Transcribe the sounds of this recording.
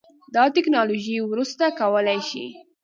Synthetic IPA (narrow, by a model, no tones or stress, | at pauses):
d̪ɑt̪ɪknɑloʒiwɾust̪akawəlajʃḭ